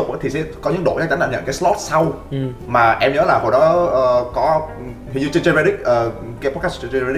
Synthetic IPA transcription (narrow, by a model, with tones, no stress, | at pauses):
k͡pɓt̪ʰi˨˩sɛ̰˧˥kɔ˨˦ɲɨ̰˧˥ŋɗo̰˧˨ɲaː˨˦˥t͡ɕa˨˦ŋnɗaː˧˩ɲə̰˧˨ka˨˦slɔ˦˥t̚sa˧wmaː˨˩ʔɛ˧mɲəː˨˦laː˨˩ɦo˨˩jɗɔ˨˦ʔəː˧˩kɔ˨˦ | ɦḭ˧˨zɨ̰˧˨t͡ɕə˧nt͡ɕe˧vɛ˧ɗi˦˥k̚ʔəː˨˩kaː˨˦pɔ˦˥t̚kaː˦˥t͡ɕt͡ɕvɛ˧˦˥